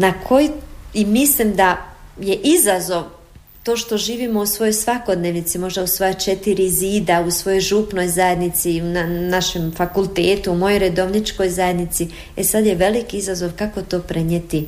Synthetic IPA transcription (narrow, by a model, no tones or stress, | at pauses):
nakʰo̞jiimislimd̪aje̞ʔizazo̞ʋ | t̪o̞ːʃt̪oʒiːʋimo̞usʋo̞jo̞jsʋako̞d̪neːʋnit̪simo̞ʒd̪ausʋojot͡ʃe̞t̪iɾiziːd̪ausʋo̞jo̞jʒupno̞jzaje̞d̪nit̪siunanaʃemfakulˠt̪eːt̪uumo̞jojɾe̞d̪o̞ʋnit͡ʃko̞jzajed̪nit̪si | esad̪je̞ʋe̞likiizazo̞ʋkako̞t̪o̞ːpɾe̞ɲet̪i